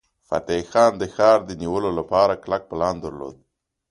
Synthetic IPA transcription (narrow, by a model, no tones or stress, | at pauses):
fa̰t̪exɑnd̪əxɑɾd̪əniwəlolapɑɾaklak̚pəlɑnd̪əɾlo̰d̪̚